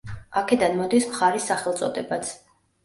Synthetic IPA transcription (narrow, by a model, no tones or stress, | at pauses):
akʰɛd̪anmɔd̪ismχaɾisːaχɛlˠt̪sʼɔd̪ɛbat̪sʰ